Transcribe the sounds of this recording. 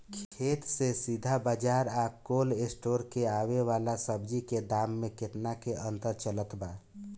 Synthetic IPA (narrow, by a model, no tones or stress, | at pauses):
kʰkʰet̪sesid̪ʱabəd͡ʒaɾakolesʈoɾkeaweʋalasəbd͡ʒiked̪amːeket̪nakeʔə̃nt̪əɾt͡ʃələt̪ba